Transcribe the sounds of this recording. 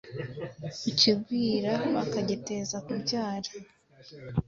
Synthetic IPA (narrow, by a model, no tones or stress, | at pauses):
ucibɡwiːɾaβakaɟete̞zakubɟaːɾḁ